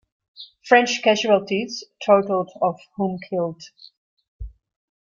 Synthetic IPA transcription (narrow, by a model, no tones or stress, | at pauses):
fɹɛ̃nt͡ʃkæʒuəlˠtʰiz̥tʰoʊtl̩ˠdɔv̥hũmkʰɪlˠd̥